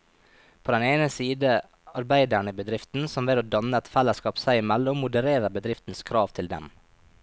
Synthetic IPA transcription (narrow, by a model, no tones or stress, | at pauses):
pʰoːd̪ɛneːnəsiːd̪ə | ɑɾbæɪd̪æɳəbəd̪ɾɪft̪n̩sɔmʋeːɾoːd̪ɑnəɛt̪fɛlːəskɑːpsæɪɪmælːʊmːʊd̪əɾeːɾəbəd̪ɾɪft̪n̩skʰɾɑːʋt̪ʰɪld̪ɛ̰m